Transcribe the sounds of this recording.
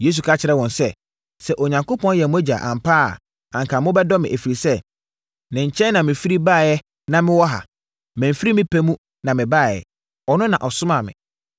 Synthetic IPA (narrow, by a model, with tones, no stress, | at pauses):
je˨˦s̬u˨kʰa˦t͡ɕʰɪ˨ɾɛ˦wɔ̃˨nsɛ˦ | sɛ˦ʔo˨ɲã˨ŋko˦pʰɔ̃˦n˦jɛ˨mʊ̃˦æ˦d͡ʑa̰˨ʔa̰˨m̩˨pʰaː˦a̰˨ | ã˨ŋkʰa˨mʊ̃˦bɛ˦dɔ˦mɪ̃˨ʔæ˨fi˨ɾi˨sɛ˦ | nɪ̃˨ɲ̩˨t͡ɕʰɛ̃˦nã˨mɪ̃˨fi˦ɾi˦baː˦˨jɛ˦ | nã˦mɪ̃˦wɔ˦ɦa̰˨ | mɪ̃˨m̩˨fi˦ɾi˦mɪ̃˦pʰɛ˦mũ˦ | nã˨mɪ̃˨baː˦˨jɛ̰˨ | ɔ˨nʊ̃˦nã˨ʔɔ˨sʊ˦mã˨mɪ̰̃˨